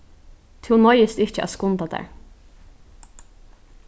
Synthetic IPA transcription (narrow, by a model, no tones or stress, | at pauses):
t̪ʰɪwnɔjɪst̪ɪt͡ʃəʔæ̰skʊnt̪ad̪æ̰ɹ